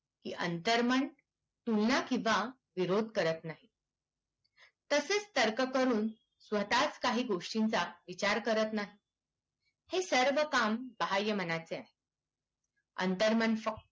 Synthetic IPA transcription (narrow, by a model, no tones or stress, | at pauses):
kḭːʔənt̪əɾməɳ | t̪ulnakĩʋa | ʋiɾod̪̚ʱkəɾət̪naɦi | t̪əset͡st̪əɾkəkəɾuːn | sʋət̪at͡skaɦiːɡoʂʈint͡saʋit͡ɕaɾkəɾət̪naɦi | hesəɾʋəkambəɦajːəm̤ənat͡seaɦe | ə̰nt̪əɾməɳfək̚